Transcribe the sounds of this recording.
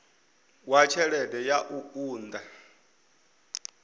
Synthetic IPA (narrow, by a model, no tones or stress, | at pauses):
wat͡ʃʰɛɺɛdɛjaʔuuːnd̪a